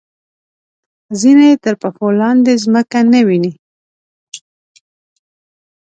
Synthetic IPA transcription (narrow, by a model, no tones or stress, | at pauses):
zineet̪əɾpafolɑnd̪ezməkanawini